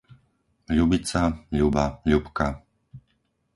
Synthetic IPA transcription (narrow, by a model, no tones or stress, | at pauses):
ʎubit͡saʎubaʎupka